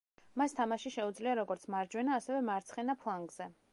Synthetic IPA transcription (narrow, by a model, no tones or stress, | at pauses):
mast̪ʰamaʃiʃɛud̪zliaɾɔɡɔɾt̪sʰmaɾd͡ʒwɛnaːsɛvɛmaɾt̪sʰχɛnapʰlˠaŋɡz̥ɛ